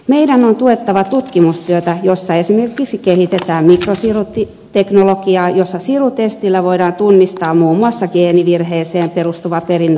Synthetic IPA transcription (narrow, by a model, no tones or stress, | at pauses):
meidænont̪uet̪ːɑʋɑt̪ut̪kimust̪yøt̪æjosːɑesimerkiksikehit̪et̪æːmmikrosirut̪i | t̪eknolokiɑːjosːɑsirut̪est̪ilːæʋoidɑːnt̪unːist̪ɑːmmuːmːuɑsːɑɡ̥eːniʋirheːseːmperust̪uʋɑperinː